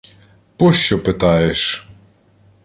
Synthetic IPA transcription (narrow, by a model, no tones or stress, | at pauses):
pɔʃt͡ʃɔpɪt̪ɑjeʃ